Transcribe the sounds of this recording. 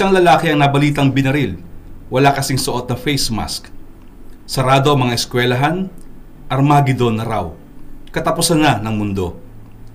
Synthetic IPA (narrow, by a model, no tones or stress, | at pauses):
ʔɪsaŋlɐlaːkɛɐŋnɐbɐliːt̪ɐŋbɪnɐɾilwɐlakɐsiŋsoʔot̪̚nɐfɛjsma̰sk | sɐɾaːd̪oɐŋmɐŋaʔɪskwɛlɐɦan | ʔɐɾmaɡɪd̪onːɐɾaw | kɐt̪ɐpʊsɐnːanɐŋmʊnd̪o̞̰